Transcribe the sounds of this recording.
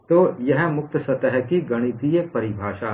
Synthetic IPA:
t̪ojɐɦmʊk̚t̪əsɐt̪əɦkiɡɐɽ̃it̪ijepɐɾɪbʱaːʃa

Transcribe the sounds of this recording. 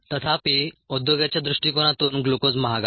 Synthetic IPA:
t̪ət̪ʰapiud̪joɡjat͡ɕjad̪ɾuʂʈiːkoɽ̃ãt̪uːnɡlokod͡zməɦaɡa

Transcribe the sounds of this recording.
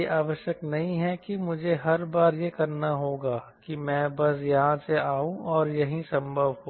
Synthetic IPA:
eʔaːʋəʃjəknɐɦĩɦɛkimʊd͡ʒʱeɦɐɾbaːɾjekɐɾnaɦoːɡaːkimɛ̃ːbɐsjɐɦãseaːũʔɔːɾjɐɦĩsɐ̃mbʱəʋɦoː

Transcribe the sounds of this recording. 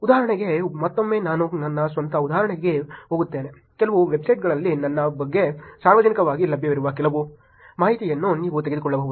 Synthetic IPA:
ud̪aːɦɐɾɐɳɛɡe̞mɐt̪ːomːe̞ːnaːnunɐnːɐsʋɐnt̪ɐud̪aːɦɐɾɐɳɛɡe̞ɦoːɡut̪ːeːne | kɛlɐʋuʋebsɐjʈɡɐɭɐlːinɐnːɐbɐɡːe̞saːɾʋɐd͡ʒɐnikɐʋaːɡilɐbʱjɐʋiɾuʋɐkɛlɐʋu | maːɦit̪ijɐnːuniːʋut̪eɡed̪ukɔɭːɐbɐːʋud̪u

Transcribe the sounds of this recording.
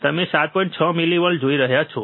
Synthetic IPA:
t̪əmesat̪̚pɔ̃ĩɳʈt͡ʃʰəmiliʋəɭd͡ʒoiɾəɦjat͡ʃʰɔ

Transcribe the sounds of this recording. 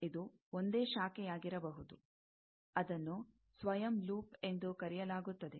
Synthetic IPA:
id̪u | ond̪e̞ːʃaːkɛjaːɡiɾɐbɐɦud̪u | ɐd̪ɐnːu | sʋɐjɐmluːpe̞nd̪ukɐɾijɐlaːɡut̪ːɐd̪e̞

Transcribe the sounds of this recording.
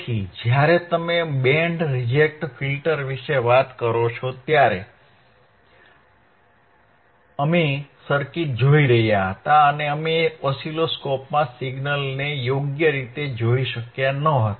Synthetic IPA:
id͡ʒjaɾet̪əmebɛɳɖɾid͡ʒek̚ʈfʰilʈəɾʋiʃeʋat̪kəɾot͡ʃʰot̪jaɾe | əmesəɾkiʈ̚d͡ʒoiɾəɦjaɦət̪aəneəmeɔsiloskɔpmãsiɡnəlnejoɡjəɾit̪ed͡ʒoiʃəkjanəɦət̪a

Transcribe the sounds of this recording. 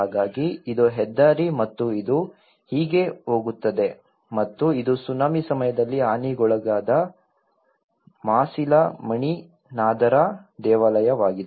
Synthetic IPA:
ɦaːɡaːɡiːd̪oɦɛd̪ːaːɾimɐt̪ːuid̪u | hiːɡe̞ɦo̞ːɡut̪ːɐd̪e̞ | mɐt̪ːuid̪usunaːmisɐmɐjɐd̪ɐlːiaːniɡɔɭɐɡaːd̪ɐ | maːsilɐmɐɳi | naːd̪ɐɾɐd̪ɛːʋaːlɐjɐʋaːɡid̪e

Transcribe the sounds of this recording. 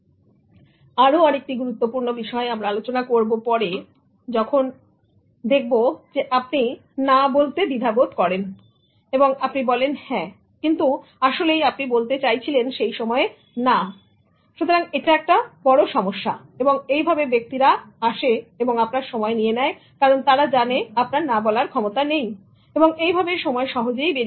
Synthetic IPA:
aɾoaɾek̚ʈiɡuɾut̪ːopuɾnobiʃɔeamɾaalot͡ɕonakoɾbopɔɾe | d͡ʑɔkʰon | d̪ek̚ʰbod͡ʑeʔap̚ni | nabolt̪ed̪id̪ʱabod̪kɔɾen | eboŋapnibɔlenhɛ̃ | kint̪uaʃolejapnibolt̪et͡ɕajt͡ɕʰilenʃejʃɔmɔe | na | ʃut̪oɾaŋeʈaɛk̚ʈabɔɽoʃɔmoʃːa | eboŋejbʱabebek̚t̪iɾaaʃeeboŋapnaɾʃɔmɔenijenɛe | kaɾont̪aɾad͡ʑaneapnaɾnabɔlaɾkʰɔmot̪anej | eboŋejbʱabeɾʃɔmɔeʃɔɦod͡ʑejbeɾi

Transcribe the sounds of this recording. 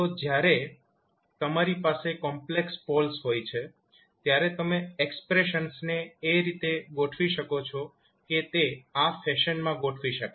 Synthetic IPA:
t̪od͡ʒjaɾe | t̪əmaɾipasekɔmplekspolsɦojt͡ʃʰe | t̪jaɾet̪əmeekspɾeʃənsneːɾit̪eɡoʈʰʋiʃəkot͡ʃʰɔ | ket̪eafɛʃənmãɡoʈʰʋiʃəka

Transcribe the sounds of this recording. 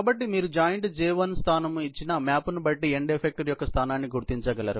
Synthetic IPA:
bɐʈːimiːɾud͡ʒaːjɐɳʈd͡ʒiːʋɐnst̪ʰaːnɐmuit͡ʃːinɐmaːpunubɐʈːieɳɖepʰek̚ʈɐɾjɔkːɐst̪ʰaːnaːnːiɡuɾt̪iɲt͡ʃɐɡɐlɐ̰ɾu

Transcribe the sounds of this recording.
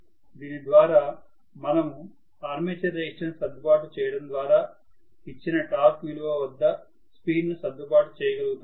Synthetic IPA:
d̪iːnid̪ʋaːɾaː | mɐnɐmu | aːɾmeːt͡ʃɐɾɐiʈɐnsɐd̪ːupaːʈut͡ʃɛːjɐɽɐmd̪ʋaːɾaː | it͡ʃːinɐʈaːkʋiluʋɐʋɐd̪ːɐ | spiːnnusɐd̪ʱːupaːʈut͡ʃɛːjɐɡɐlɡut̪

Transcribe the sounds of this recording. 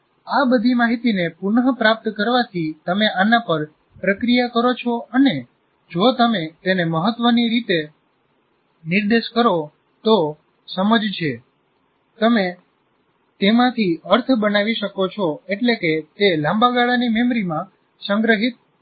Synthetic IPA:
abəd̪ʱimaɦit̪inepʊɳɦəpɾap̚t̪kəɾʋat̪ʰit̪əmeʔanapəɾ | pɾəkɾijakəɾot͡ʃʰoʔəne | d͡ʒot̪əmet̪eneməɦət̪ʋəniɾit̪e | niɾd̪eʃkəɾo | t̪o | səməd͡ʒt͡ʃʰe | t̪əme | t̪emãt̪ʰiəɾt̪ʰbənaʋiʃəkot͡ʃʰoeʈleket̪elãmbaɡaɭanimemɾimã | sə̃ŋɡɾəɦit̪̚

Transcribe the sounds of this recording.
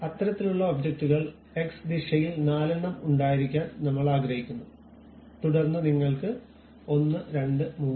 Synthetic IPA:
ɐt̪ːɾɐt̪ːiluɭːɐobd͡ʑek̚ʈuɣɐɭ | e̞ksd̪iʂɐjilnaːlɐɳːɐmuɳɖaːjiɾikʲːaːnnɐmːɐɭaːɡɾɐɦikʲːunːu | t̪uɽɐrnːɐniŋːɐɭkɨ | o̞nːɨɾe̞ɳɖɨmuː

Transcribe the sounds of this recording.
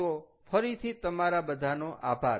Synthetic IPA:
ofəɾit̪ʰit̪əmaɾabəd̪ʱanoʔabʱaɾ

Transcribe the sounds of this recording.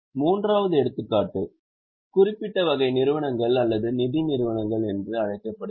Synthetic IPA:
muːndraːʋɐðɯɛɽɯt̪ːɯkːaːʈːɯ | kʊrɪpːɪʈːɐʋɐɣɐɪnɪɾɯʋɐɳɐŋɡɐɭɐlːɐðɯnɪðinɪɾɯʋɐɳɐŋɡɐɭɛndrɯɐɻɐɪkːɐpːɐɽɯ

